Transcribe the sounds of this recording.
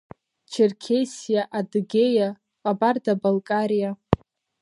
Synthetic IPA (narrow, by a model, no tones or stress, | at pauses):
t͡ʃʰerkʲʰejsijaʔadɡʲeja | qʼabardabalkʼaɾija